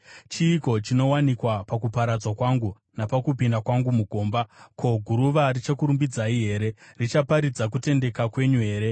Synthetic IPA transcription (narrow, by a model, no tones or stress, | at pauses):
t͡ʃiːko̞t͡ʃino̞wanikwapakupaɾad͡zwakwaŋɡu | napakupindakwaŋɡumuɡʱo̞ːmbakʰo̞ɡʱuɾuʋarit͡ʃakuɾumbid͡zaiɦe̞ːɾe̞rit͡ʃapaɾid͡zak̬ute̞nde̞kakwe̞ɲuɦe̞ːɾe̞